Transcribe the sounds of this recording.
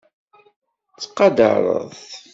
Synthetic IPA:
t͡sːqːɑd̪ə̰ɾˤə̰ðˤ

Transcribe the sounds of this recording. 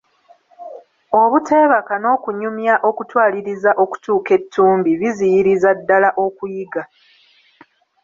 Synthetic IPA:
o̞βute̞ːβakano̞ːkuɲumjaʔo̞kutwaːliɾizaʔo̞ku̥tuːke̞tʰːuːmbiβizijiɾizadːalaʔo̞kujiɡa

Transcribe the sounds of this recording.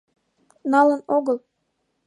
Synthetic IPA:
nɑlɤ̆noɣɤ̆lˠ

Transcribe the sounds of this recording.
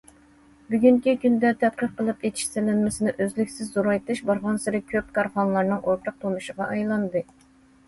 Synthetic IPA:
byɡʲyŋkʲikʲynd̪ɛt̪ʰɛt̪̚qəɾqʰəlˠɨpet̪ʰi̥ʃselɪnmɪsɪnɪʔøzlykʲsɪzːuɾɑjt̪ɨʃbɑɾʁɑnsɪɾɪkʲʰøp̚kʰɑɾχɑnlˠɑɾnɨŋʔoɾt̪ʰɑq̚t̪ʰomuʃəʁɑʔɑjlˠɑnd̪ɨ

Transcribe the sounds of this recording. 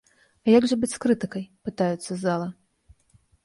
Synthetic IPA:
jaɡʐɐbɨt͡sʲskɾɨt̪ɨkɐjpɨt̪ajɛt̪sːɐzalˠɐ

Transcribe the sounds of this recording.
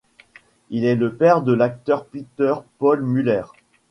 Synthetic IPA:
ilɛləpɛʁd̪əlak̚t̪œʁpit̪œʁpɔlmylɛʁ

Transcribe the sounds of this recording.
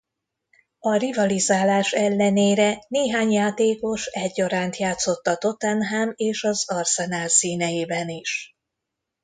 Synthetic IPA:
ɒrivɒlizaːlaːʃɛlːɛneːɾɛneːɦaːɲjaːt̪eːko̞ʃɛɟːɒɾaːnt̪jaːt̪so̞t̪ːɒt̪o̞t̪ɛnɦameːʃɒzɒrsɛnaːlsiːnɛjeːbɛniʃ

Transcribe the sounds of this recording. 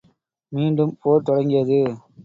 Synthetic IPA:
miːɳɖɯmpoːɾt̪ːɔɽɐŋɡɪjɐðɯ

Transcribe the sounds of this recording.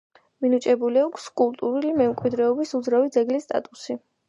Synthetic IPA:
minut͡ʃʼɛbuliakʷʰskʼulˠt̪ʼuɾulimɛmkʼwid̪ɾɛɔbisud̪zɾavid̪zɛɡlist̪ʼa̰t̪ʼusi

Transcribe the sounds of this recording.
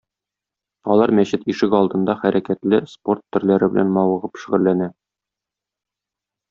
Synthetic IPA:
ɒlˠɑɾmæɕɘt̪iʃɘkɒlˠd̪ɤ̆nd̪ɑχæɾʔækæt̪lɘspo̞rt̪ːɵ̆ɾlæɾɘbɘ̆læ̰nmɒwɤ̆ʁɤpɕɵ̆ʁɘ̆lːænæ

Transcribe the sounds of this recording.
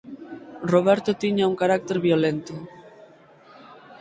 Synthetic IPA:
roβ̞ɛɾt̪ot̪iɲauŋkaɾak̚t̪eɾβjolent̪o

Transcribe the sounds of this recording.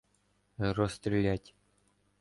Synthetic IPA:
rost̪rʲɪlʲætʲ

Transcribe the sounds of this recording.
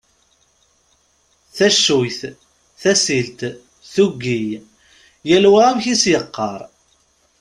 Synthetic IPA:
θæʃːujθ | θæsilt̪ | θuɡːij | jælwæmçisjəqːɑɾˤ

